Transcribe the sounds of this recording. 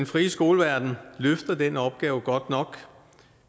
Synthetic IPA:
enfʁḭːsɡ̥o̝ːləʋæɐd̥n̩løfd̥ɐdenəɒ̽b̥̚ɡ̥ɛːʊəɡ̥ɒ̽d̥nɒ̽ɡ̥

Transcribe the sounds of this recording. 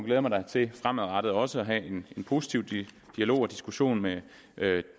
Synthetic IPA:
ɡleːmɑ̈ɪdɑ̈ɪt͡sʰe̝fʁamðˠʁɑ̈ɾ̥ð̩ˠɒ̽səɒɦɛe̝ne̝npʰo̝si̥t͡sʰiʊ̥ | d̥iælo̝̰ːɒd̥isɡ̥uɕo̝̰ːnme | ʔø

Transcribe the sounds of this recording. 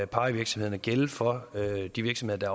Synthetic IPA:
pʰɑ̈ːiʋiɐɡ̥smhḛnæɡ̥elfɒ̽ød̥iʋiɐɡsme̝ð̞ˠd̥ɑ

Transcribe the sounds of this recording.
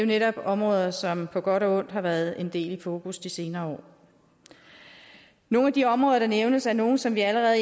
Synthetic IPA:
eo̝neɾɒ̽b̥ɒ̽mʁɔ̽ːðˠɐsɒ̽mpʰɒ̽ɡ̥ɒ̽ɾɒɔ̽n̰d̥ɦhɑ̈ʋæɐð̞ˠe̝nd̥e̝̰ːlifo̝ːkʰusd̥ise̝ːnɐːɒ̰ː | no̝ːnæd̥iɒ̽mʁɔðˠɐɾ̥ɑneʊnəsæɐno̝ːn̩sɒ̽mʋiæləʁɛðˠ

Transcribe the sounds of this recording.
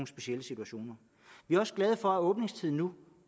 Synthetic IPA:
ŋəsb̥e̝ɕieləsit͡sʰuæɕo̝̰ːnɐ | ʋiæɐɒ̽səɡ̥lɛð̞ˠfɒ̽æɔ̽ːb̥ne̝ŋst͡sʰiðˠn̩ːu

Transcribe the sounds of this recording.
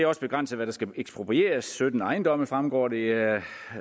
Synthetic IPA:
ɒ̽səb̥e̝ɡ̥ʁɑn̰səðˠʋæɾ̥ɑ̈sɡ̥æeɡ̥sb̥ʁopʰʁie̝̰ːɐsːød̥n̩ɑ̈ɪnd̥ɒ̽m̰əfʁamɡ̥ɒ̰ːde̝

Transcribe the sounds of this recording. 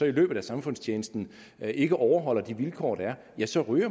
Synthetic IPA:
ɒ̽ilø̰ːb̥̩ˠæsɑ̈mfɔ̽n̰st͡ɕʰeːnəsd̥n̩ | ʔe̝ɡ̥əʔɒʊɐɦɒ̽l̰ɐd̥iʋilkʰɒ̰ːd̥æɐ | jæsɒ̽ʁyːɐ

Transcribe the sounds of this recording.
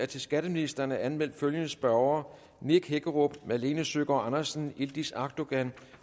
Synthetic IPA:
æɐt͡sʰe̝lsɡ̥æd̥əminisd̥ɐnəʔænmel̰d̥føljənəsb̥ɶɐʊɐ | neɡ̥heɡ̥əʁob̥mæle̝ːnəsøɡ̥ɒɑnɐsn̩ild̥isɑ̈ɡ̥̚d̥o̝ɡ̥æn

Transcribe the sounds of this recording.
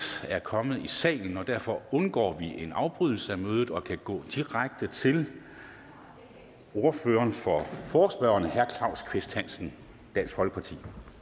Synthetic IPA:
æɐkʰɒ̽mð̩ˠisɛ̰ːln̩ɒ̽d̥æɐfɒ̽ɔ̽nɡ̥ɒ̰ːʋiʔe̝nɑ̈ʊb̥ʁyð̞̰ˠl̩səæmøːð̞ˠð̩ˠɒ̽kʰæɡ̥ɔ̰̽ːd̥iʁaɡ̥̚d̥ət͡sʰe̝l | o̝ɐføːɐːnfɒfɒːsb̥ɶʊɐnəhæɐkʰlɑ̈ʊ̰skʰʋe̝sd̥hæn̰sn̩ | d̥ænsɡ̥fɒ̽lɡ̥əpʰɑ̈t͡sʰḭː

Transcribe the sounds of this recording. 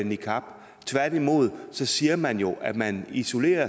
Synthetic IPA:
nikʰɑb̥ | t͡sʰʋæɐd̥imo̝ð̞̰ˠsɒ̽siːɐmænjo̝ʔæd̥mæniso̝le̝̰ːɐ

